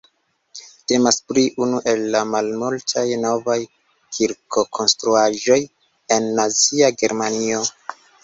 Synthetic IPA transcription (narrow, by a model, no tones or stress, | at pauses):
te̞maspliʔunuʔe̞lːamalmultʰajno̞vaj | kʰiɾkʰo̞kʰo̞nstɾuaʒo̞j | e̞nːaziaɡe̞ɾmanio̞